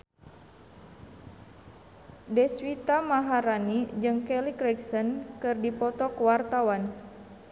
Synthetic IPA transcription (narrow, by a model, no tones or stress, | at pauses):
dɛswit̪amaɦaɾanid͡ʒɨŋkɛlikɾɛksənkɨrdipɔt̪ɔkəwart̪awan